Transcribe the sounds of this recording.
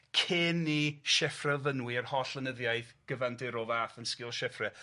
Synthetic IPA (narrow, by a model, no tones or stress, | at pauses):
kʰɪnːiʃɛfrɛvənwiərhɔɬlənəðjajθɡ̥əvandɪɾɔvaːθənskɪlˠʃɛfrɛ